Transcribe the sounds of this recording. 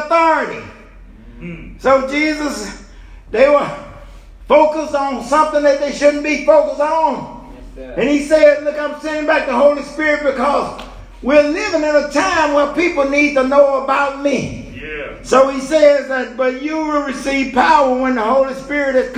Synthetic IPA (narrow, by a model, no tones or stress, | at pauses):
θɔɹɨɾḭ | soʊd͡ʒizəs | ðeɪwə˞ | foʊkəsn̩sʌ̃mθɪ̃ŋðɨt̪̚ðeɪʃʊdⁿn̩b̥ifoʊkəsn̩ | ɨ̃nisɛzlʊkãɪ̃msɛ̃ndɪ̃ŋbæk̚ðəɦoʊlˠispɪɹɨt̚b̥ɨkʰʌz | wiɹlɪvɨ̃nɨ̃ɾɨtʰãɪ̃mwə̃npipl̩ˠnid̚tənoʊəbaʊt̚mi | soʊisɛzðɨt̚b̥ʌt͡ʃɨwˠɹɨsiv̥pʰaʊə˞wɨ̃nðəɦoʊlˠispɪɹɨɾɨz̥k